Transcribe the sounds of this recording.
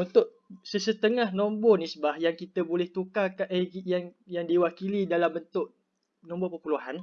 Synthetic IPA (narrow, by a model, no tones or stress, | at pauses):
unt̪ʊʔ̚ | səsət̪əŋahnɔ̃mbɔnisbahjaŋkit̪əbolɛht̪ukakaʔəijaŋjaŋdiwakilidalambənt̪ʊʔ | nɔ̃mbɔpəpuluɦan